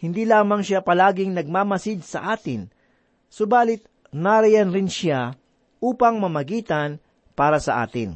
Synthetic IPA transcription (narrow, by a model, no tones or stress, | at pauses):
hɪnd̪iːlaːmɐŋʃapɐlaːɡɪŋnɐɡ̚maːmɐsɪd̪̚sɐʔaːt̪ɪn | sobaːlɪt̪̚ | naɾɐjɐnɾɪnʃa | ʔuːpɐŋmɐmɐɡiːt̪ɐn | paːɾɐsɐ̰ʔa̰ːt̪ɪ̰n